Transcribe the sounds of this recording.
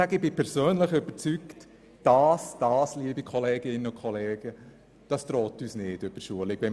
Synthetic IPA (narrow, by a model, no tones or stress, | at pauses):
æɡ̥ɪb̥ɪpʰɛɾsøːnləχʏb̥ət͡sykt | d̥ɑːsd̥ɑːsliəbikʰɔleːɡɪnːənʊkʰχɔleːɡ̥ə | d̥ɑst̪ɾɔːtyːsnɪd̥øb̥əʃuəlɪɡʋɛm